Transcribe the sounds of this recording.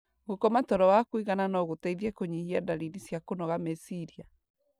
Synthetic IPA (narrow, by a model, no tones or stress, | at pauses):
ɣokɔmatɔɾɔwakwiɣananɔɣotaiðiɛkoɲihiadalinisjakonɔɣamesiɾia